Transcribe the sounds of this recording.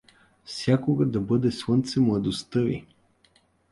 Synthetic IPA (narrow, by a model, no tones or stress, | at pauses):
fsʲjakoɡad̪ɐbɤd̪ɛslˠɤnt̪sɛmlˠɐd̪ost̪ɤvḭ